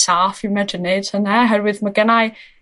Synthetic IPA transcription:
safimɛdəned̥ʰənɛɦɛrwɨðmaɡənaj

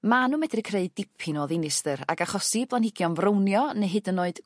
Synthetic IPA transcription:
manumɛdrɨkʰreɨdɪpʰinoːðɪnɪsðɨra̰ɡaχɔsiblˠanhɪɡjɔnvrownjɔneɦɨdənoɨd̥

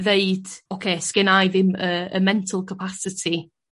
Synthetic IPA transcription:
ðeɨd̥okʰeːskɛnajðɪməə̰mɛntʰəlˠkʰəpʰasɪtʰi

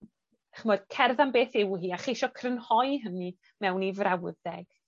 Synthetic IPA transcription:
aχmɔɨd̥kʰɛrðanbeːθɪwɦiːaχejʃɔkʰrənhɔɨɦəni | mɛwnivrawðɛɡ̥

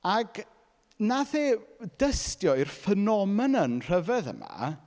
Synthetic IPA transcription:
aɡ̥ | naðeːdəstjɔirfənɔmɛnənr̥əvɛðə̰ma̰

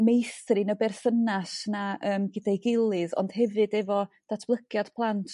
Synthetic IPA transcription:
mejθrɨnəbɛrθənasnaʔəːmɡɪdajɡɪlˠɨðɔ̰nd̥hɛvɨdɛvɔ | d̥atʰblˠəɡ̥jad̥pʰlˠantʰ

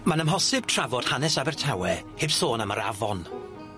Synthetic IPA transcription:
manəmɦɔsɪb̥̚tʰr̥avɔd̥hanɛsabɛrtʰawɛhebθoːnəmə̰ɾa̰vɔn

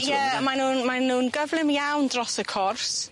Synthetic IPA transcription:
jɛmanuːnmanːuːnɡəvlˠɪmjawndrɔsəkʰɔrs

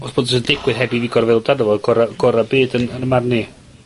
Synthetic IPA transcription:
ɔsb̥oːdɔsəndɪɡwɪðɦɛbiviɡɔrvɪlˠdadɔvɔlɡɔɾaɡ̥ɔɾabɨːdənənəmarni

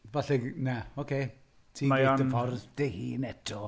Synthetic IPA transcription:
vaɬɛɡnaokʰe | tʰiːmaɔəfɔrðd̥ehiːnɛdɔ

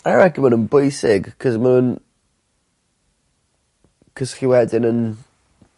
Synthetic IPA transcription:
aɹɛɡimənənbojsɪɡ̥kʰɔzmanun | kʰɔsχiwɛdɪnən

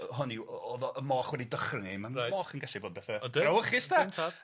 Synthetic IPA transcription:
ɦɔnioːðɔʔəmɔːχwɛdidəχrənimaajmɔːχənɡɛɬɪboːd̚bɛθaɔdawχɪstantʰa

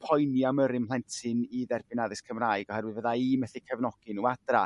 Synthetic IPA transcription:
pʰɔjniaməɾɪmlˠɛntʰɪniðɛrbɪnaðɪskʰəmraːɨɡɔhɛɾwɪðvəðaimɛθikʰəvnɔɡ̥ɪnuad̥ra

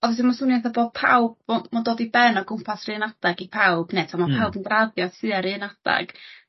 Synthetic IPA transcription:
ɔðɛsimɔsʊnɛθaboːd̥̚pʰa̰wb̚ɔmɔdoːdibɛnɔɡʊmpʰasrɨːnadaɡipʰawb̥netʰamapʰawbənɡraðjɔsɨaɾɨːnada̰ɡ̥

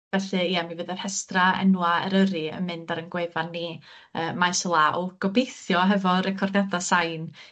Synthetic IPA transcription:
vɛɬɨiːamivɨðər̥hɛstraɛ̰nwaɛ̰ɾəɾɨə̰nmɨndaɾənɡwevanːi | əːmajsəlˠaʔɔɡ̥ɔbejθjɔɦɛvɔɾɛkʰɔrdjadasajn

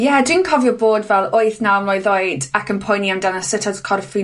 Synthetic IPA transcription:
jɛdwinkʰɔvjɔboːdvɛlˠoɨθnaəmlɔjðɔɨdakənpʰɔjniandanasətʰaz̥kʰɔrfi

